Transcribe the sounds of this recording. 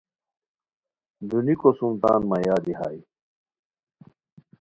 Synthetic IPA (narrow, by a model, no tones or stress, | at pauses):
d̪unikosumt̪a̰ːnmɐjaːd̪iha̰ːj